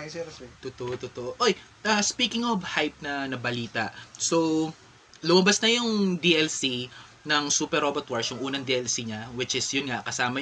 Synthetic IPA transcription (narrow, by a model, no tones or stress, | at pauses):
jsɛt̪ʊt̪oʔot̪ʊt̪oʔoʔoj | ʔɐspiːkɪŋovhajp̚nɐnɐbɐliːt̪ɐ̰ʔsow | lʊmɐbɐsnɐjʊŋd̪iʔɛlsi | nɐŋsuːpɛɾobɐt̪̚wɐɹsjʊŋʔuːnɐŋd̪iʔɛlsiɲɐwɪt͡ʃɪsjʊnŋakɐsaːmɐ